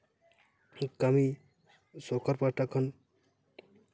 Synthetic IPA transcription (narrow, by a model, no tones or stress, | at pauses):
kami | sokʰaɾpaʈakʰɔn